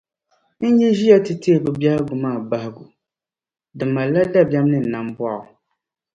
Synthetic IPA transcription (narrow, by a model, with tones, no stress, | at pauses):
n̩˦jɛ˦ʒi˦ja˦tɨ˨tʰe˦˨bɨ˨bja˦lɡu˨maː˦˨ba˨hɪ˦ɡu˨ | dɨ˨mːa˨la˦da˦bja˦m˦nɨ˦n̩˨na˨mbwa˦˨ʊ˨